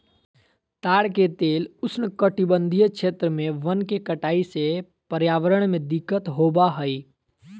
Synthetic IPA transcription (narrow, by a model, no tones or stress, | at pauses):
t̪aːɽket̪eːlʊsnəkəʈibənd̪ʱijəkʃʰeːt̪ɾəmẽʋənkekəʈaːise | pəɾjaːʋəɾəɽ̃mẽd̪ɪkːət̪ɦobaɦəi